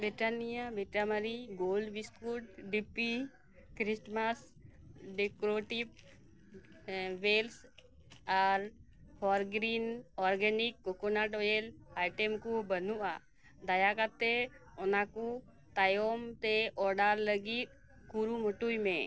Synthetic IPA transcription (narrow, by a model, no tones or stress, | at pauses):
beʈanijabeʈaməɾiɡoːlbiskuʈ̚ɖipi | kɾisʈmas | ɖekɾoʈip | ʋels | aɾ | pʰɔɾɡɾiːnɔɾɡenikːokonaʈojelajʈemkubənuʔa̰ | d̪ajakat̪ːe | ɔnaku | t̪ajomt̪eɔɾɖaɾləɡit̪̚ | kuɾumɔʈujmḛ̃